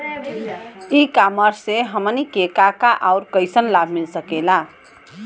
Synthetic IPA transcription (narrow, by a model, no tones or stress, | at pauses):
ikaməɾseɦəmənikekakaʔawɾkəjsənlabʱmilsəkela